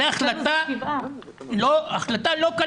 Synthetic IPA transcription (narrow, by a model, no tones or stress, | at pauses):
eaχlat̪a | loaχlat̪aloka